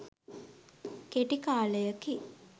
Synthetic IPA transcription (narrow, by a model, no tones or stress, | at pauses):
keʈikaːləjəki